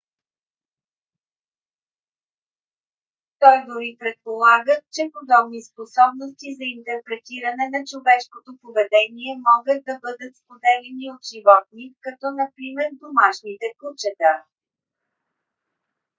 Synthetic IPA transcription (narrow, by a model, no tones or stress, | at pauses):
t̪ɔjd̪oɾipɾɛt̪̚polˠaɡət͡ʃɛpod̪ɔbnisposɔbnost̪izɐint̪ɛɾpɾɛt̪iɾɐnɛnɐt͡ʃovɛʃkot̪opovɛd̪ɛniɛmɔɡət̪̚d̪ɐbɤd̪ət̪spod̪ɛlɛniot̪ʒ̥ivɔt̪̚nikɐt̪ɔnɐpɾimɛɾd̪omaʃnit̪ɛkut͡ʃɛt̪a